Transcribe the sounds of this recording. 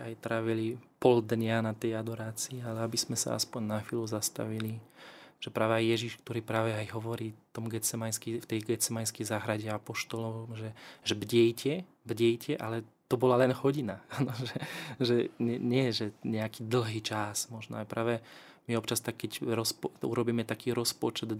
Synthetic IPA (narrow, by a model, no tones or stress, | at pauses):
ajt̪ɾaːʋilipɔld̪ɲanat̪ɛjad̪ɔɾaːt͡siialɛabizmɛsa̰a̰spɔɲnaxʋiːluzast̪a̰ʋiliʒ̥ɛpɾaːʋɛajjɛʒiʃkt̪ɔɾiːpɾaːʋɛajɦɔʋɔɾiːt̪ɔmɡɛt͡sɛmajskift̪ɛjɡɛt͡sɛmajskɛjzaɦɾaɟɛapɔʃt̪ɔlɔmʒɛʒɛbɟɛjcʰɛ | bɟɛjcʰɛʔalɛt̪ɔbɔlalɛnɦɔɟinaanɔʒɛʒɛɲɛɲɪɛʒɛɲɛakiːd̪l̩ɦiːt͡ʃasmɔʒnɔ̰ajpɾaːʋɛ | miɔpt͡ʃast̪akkːɛcɾɔspṵɾɔbiːmɛt̪akiːɾɔspɔt͡ʃɛd̪